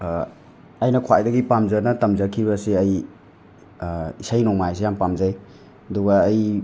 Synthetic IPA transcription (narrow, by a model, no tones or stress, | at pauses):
ɐjnɐkʰwa̰jdɐɡipamzɐnɐtɐmzakʰiβɐsiɐj | isajnɔŋmajs̬ejampamzaj | ɐduɡɐːj